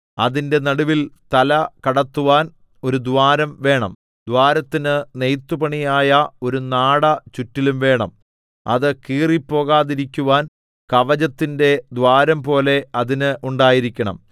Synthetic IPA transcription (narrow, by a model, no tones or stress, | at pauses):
ɐðinde̞nɐɽuʋilt̪ɐlɐkɐɽɐt̪ːuʋaːn | o̞ɾud̪ʋaːɾɐmʋe̞ːɳɐ̰m | d̪waːɾɐt̪ːinɨnejt̪ːupɐɳijaːjɐo̞ɾunaːɽɐt͡ɕutːilumʋe̞ːɳɐm | ɐ̰ðɨkiːripːo̞ːɣaːðiɾikʲːuʋaːn | kɐʋɐd͡ʑɐt̪ːinde̞d̪waːɾɐmpo̞ːle̞ɐðinɨʔuɳɖaːjiɾikʲːɐɳɐ̰m